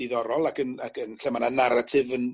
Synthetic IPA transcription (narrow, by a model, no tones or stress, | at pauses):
iðɔɾɔlˠakənakʰənɬɛmananaɾatʰɪvən